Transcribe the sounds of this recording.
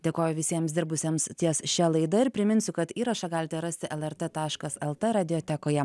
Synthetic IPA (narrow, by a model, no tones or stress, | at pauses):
d̪ʲeːkoːjʊʋʲɪsʲiɛmsd̪ʲɪɾbʊsʲiɛmst̪ʲiɛsʃʲɛlˠɐɪd̪ɐɪɾpʲɾʲɪmʲɪnʲsʲʊkɐt̪iːɾɐʃɑɡɑːlʲɪt̪ʲɛɾɐsʲt̪ʲɪʔɛlˠɛɾt̪et̪ɑːʃkɐsɛlˠt̪ɛɾɑːd̪ʲɪjoːt̪ʲækoːjɛ